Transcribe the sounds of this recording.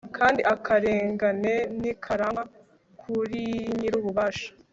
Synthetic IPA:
kʰaːndiʔakʰaɾeːŋɡane̞nikʰaɾaŋa | kʰuɾiɲiɾuβuβaːʃḁ

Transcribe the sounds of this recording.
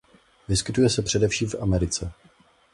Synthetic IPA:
vɪskɪt̪ujɛsɛpr̝̥ɛdɛfʃiːmfʔamɛɾɪt͡sɛ

